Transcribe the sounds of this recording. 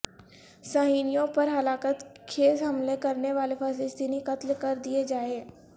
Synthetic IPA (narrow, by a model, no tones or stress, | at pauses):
saɦiːnijõpɐɾɦɐlaːkət̪kʰeːzɦɐmlekɐɾneʋaːlefəːsɪst̪iːnikɐt̪lkɐɾd̪ied͡ʒaːeː